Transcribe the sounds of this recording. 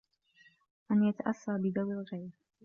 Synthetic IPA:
ʔanjat̪aʔasːaːbɪd̪awɪlɣajɾ

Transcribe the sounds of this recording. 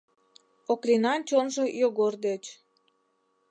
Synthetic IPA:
oklʲinɑnt͡ɕonʒojoɣord̪et͡ɕ

